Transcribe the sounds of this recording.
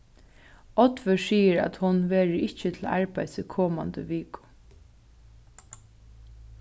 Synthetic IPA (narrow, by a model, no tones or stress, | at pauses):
ɔt̪ʋʏsiːəɾæ̰t̪hʊnʋeːɹəɪt͡ʃət̪ʰɪla̰ɹpajsɪkʰɔːma̰nd̪ə̰ʋiːkʊ̥